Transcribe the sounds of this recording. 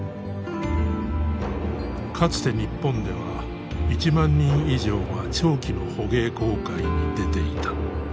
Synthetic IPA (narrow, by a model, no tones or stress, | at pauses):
kʰat͡sɨ̥t̪e̞ɲ̟ipːõ̞nd̪e̞βa | it͡ɕimãɲːĩɰ̃iʑo̞ːɡat͡ɕo̞ːkʲino̞ho̞ɡe̞ːko̞ːkaiɲ̟id̪e̞t̪e̞it̪ḁ